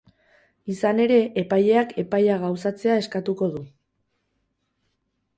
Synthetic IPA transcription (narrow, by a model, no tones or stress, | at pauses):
isane̞ɾe̞ʔːpaje̞akʰe̞pajaɣawsat͡se̞ae̞skat̪uko̞ðu